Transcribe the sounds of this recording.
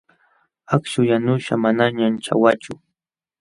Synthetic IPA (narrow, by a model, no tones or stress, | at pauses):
akʃʊjanʊʃa̰manaɲant͡ʃa̰wat͡ʃʊ